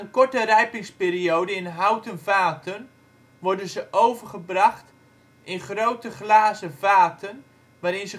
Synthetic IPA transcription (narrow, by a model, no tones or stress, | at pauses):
ənkɔɹtərɛjpɪŋspeːɾiowdəɪnɦawtənvaːtən | ʋɔɹdənzəʔowvərχəbrɑχt | ʔɪnχrowtəχlaːzəvaːtən | ʋaːɾɪnzə